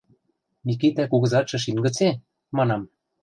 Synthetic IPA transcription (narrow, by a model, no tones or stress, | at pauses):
mʲikit̪ækuɣɤ̆zɑt̪ʃɤ̆ʃ̬inɡɤ̆t͡se | mɑnɑm